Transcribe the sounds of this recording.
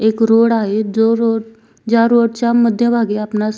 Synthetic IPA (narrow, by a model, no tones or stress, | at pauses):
eːkɾoːɽaːɦed͡ʒoɾoːɽ | d͡ʒaːɾoːɽt͡ɕaməd̪ʱjəbʱaːɡeapna